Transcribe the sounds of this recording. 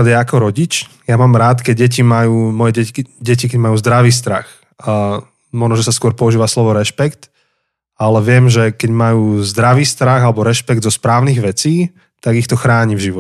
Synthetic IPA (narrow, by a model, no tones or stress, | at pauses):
d̪jɛakɔɾɔɟit͡ʃjamaːmɾaːt̪kɛɟ̚ɛcimajuːmɔjɛɟɛɟɛcikɛɟmajuːzd̪ɾaʋiːs̬t̪ɾa̰x | mɔʒnɔʒɛsaskʊɔɾpɔuʒiːʋaslɔʋɔɾɛʃpɛkt̪ | alɛʋɪɛmʒɛkɛɟmajuːzd̪ɾaʋiːst̪ɾaɣalɛbɔɾɛʃpɛɡd̪zɔspɾaːʊniɣʋɛt͡siː | t̪aɡixt̪ɔxɾaːɲivʒiʋɔ